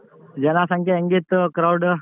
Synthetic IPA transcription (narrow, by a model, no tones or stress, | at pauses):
d͡ʒɛnasaŋkeəŋɡit̪kɾawɖ